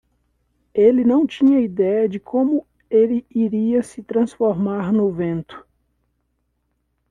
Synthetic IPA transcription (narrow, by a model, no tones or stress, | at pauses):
elɪnɐ̃w̃t͡ʃĩɲɐid̪ɛjɐd͡ʒɪkʰõmʊ | elɪiɾiɐsɪt̪ɾɐ̃sfoɾmaɾnʊvẽnt̪ʊ̥